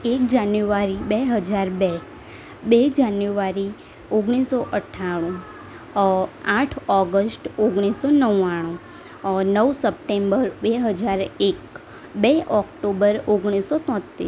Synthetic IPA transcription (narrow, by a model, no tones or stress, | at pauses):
ek̚d͡ʒanjuʋaɾibeɦəd͡ʒaɾbe | bed͡ʒanjuʋaɾi | oɡɽ̃isoʔəʈʰːaɽ̃ũ | aʈʰɔɡəsʈoɡɽ̃isonəwːaɽ̃ũ | nəʋsəp̚ʈembəɾbeɦəd͡ʒaɾek | beʔɔkʈobəɾoɡɽ̃isot̪ɔ̃t̪ːḭ